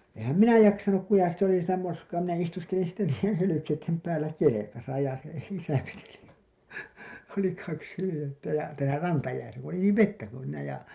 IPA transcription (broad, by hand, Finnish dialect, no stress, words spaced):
ehæm minæ jɑksɑnuk ku jɑ sit oli sitæ moskɑː minæ istuskelin sitːe niːjˑen hylykeitːem pæːlːæ kelekɑsɑ jɑ se isæ ʋeteli oli kɑks hylĭjetːæ jɑ tæːlæ rɑntɑjæisæ ku oli niːʋ ʋetːæ kun̞ siːnæ jɑ